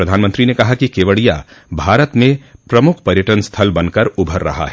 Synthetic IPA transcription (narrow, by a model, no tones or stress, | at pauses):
ɾɐd̪ʱaːnmə̃nt̪ɾinekɐɦakikeːʋəɽija̰bʱaːɾət̪mẽpɾɐmʊkʰpɐɾjəʈənst̪ʰɐlbɐnkɐɾʊbʱəɾːɐ̰ɦa̰ɦɛ